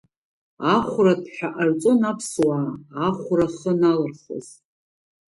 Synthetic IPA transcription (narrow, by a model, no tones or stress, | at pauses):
aχʷʊradʰħᶣaʔart͡sʼonapʰswaːχʷʊraχənalɨrχə̰z̥